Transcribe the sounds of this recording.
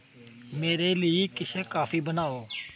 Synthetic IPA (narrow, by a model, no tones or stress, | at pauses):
meːɾeːliikɪseːkaːfʰiːbənaːoː